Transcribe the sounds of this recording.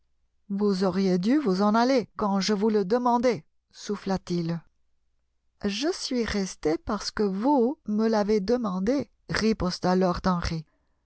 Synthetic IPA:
vuzɔʁjed̪yvuzɑ̃nalekɑ̃ʒəvuləd̪əmɑ̃d̪ɛ | suflat̪il | ʒəsɥiʁɛst̪epaʁsə̥kəvuməlaved̪əmɑ̃d̪e | ʁipɔst̪alɔʁd̪ɑ̃ʁi

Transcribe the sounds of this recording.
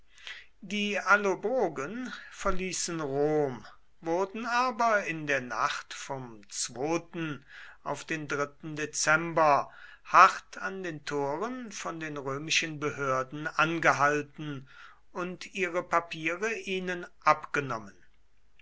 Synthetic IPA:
diːalobʁoːɡənfɛɐliːsənʁoːm | vʊɐdn̩aːbɐɪndeːɐna̰χtfɔmt͡sv̥oːtn̩ʔaʊfd̥eːndʁɪtn̩det͡sɛmbɐ | haχtʰandeːntʰoːʁənfɔndeːnʁøːmɪʃənbəhøːɐdn̩anɡəɦaltn̩ | ʊntʰiːʁəpapʰiːʁəʔiːnənʔapɡ̥ənɔmən

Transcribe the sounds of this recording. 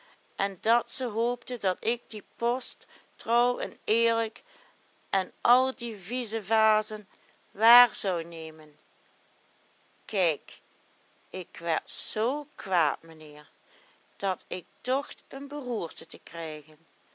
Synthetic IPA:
ʔɛndɑtsəɦoːptədɑtɪɡ̚dipɔstː | rɔwɛnɪːɹlək | ʔɛnʔɑlˠdivizəvaːzən | ʋaːɹzɑwnejmən | kɛjk | ɪkʋɛɹtz̥owkʋa̰ːtmənɪːɹ | d̥ɑtɪk̚dɔxtənbəɦuːɹtətəkrɛjɣən

